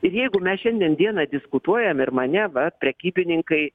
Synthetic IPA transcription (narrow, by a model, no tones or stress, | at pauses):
ɪɾjɛɪɡʊmʲɛsʃʲɛnʲd̪ʲiɛnd̪ʲiɛnɐd̪ʲɪskʊt̪uɔjɛmɪɾmɐnʲɛʋɐpʲɾʲɛkʲiːbʲɪnʲɪŋkɐɪ